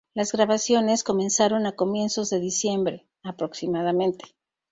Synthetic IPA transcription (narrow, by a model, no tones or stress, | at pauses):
lazɣɾaβasjo̞ne̞sko̞me̞nsaɾo̞nako̞mje̞nso̞zðe̞ðisje̞mbɾe̞ | apɾo̞ksimaðamẽ̞nt̪e̥